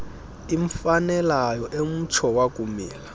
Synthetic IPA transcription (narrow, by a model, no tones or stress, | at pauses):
iɱfanɛlajɔʔem̩t͡ʃʰɔwakʼumiːla